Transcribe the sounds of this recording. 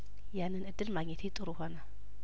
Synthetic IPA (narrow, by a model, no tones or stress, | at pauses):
janːɨnɨd̪ːɨlmaɡɲet̪ʰit̪ʼɨɾuhona